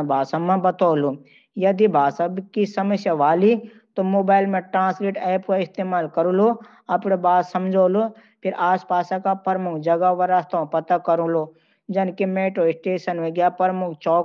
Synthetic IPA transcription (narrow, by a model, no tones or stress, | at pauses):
bʱaːsamãbɐt̪oːlu | jɐd̪ibʱaːsəbkisɐməsjaʋaːli | t̪omoːbaːɪlmẽʈɾãːnsliːʈɛːpkaɪst̪eːmaːlkɐɾulo | ɐpɽebaːt̪sɐmd͡ʒʱoːlo | pʰɪɾʔaːspaːsãkapəɾmʊkʰd͡ʒɐɡaʋɐɾast̪ʰpɐt̪akɐɾũlo | d͡ʒɐnkemeːʈɾoɪsʈeːʃənʋɪɡjapəɾmʊkʰt͡ʃɔː